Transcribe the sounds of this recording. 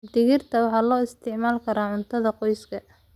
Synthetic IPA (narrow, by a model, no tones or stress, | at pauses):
d̪ɪɣɪrt̪ʰɐwɑħɑːlɔːɪst̪ʰɪʕmaːlkʰɐɾaːʕʊnt̪ʰɐðɐqɔjskʰɐ